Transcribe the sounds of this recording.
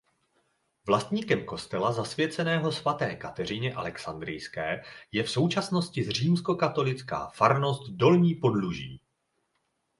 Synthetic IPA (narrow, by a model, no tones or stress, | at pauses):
vlast̪ɲiːkɛmko̞st̪ɛlazasvjɛt͡sɛnɛːɦo̞svat̪ɛːkat̪ɛr̝ɪɲɛʔalɛksand̪ɾɪjskɛːjɛfso̞wt͡ʃasno̞scɪzr̝iːmsko̞kat̪o̞lɪt͡ska̰ːfaɾno̞st̪do̞lɲiːpo̞dluʒiː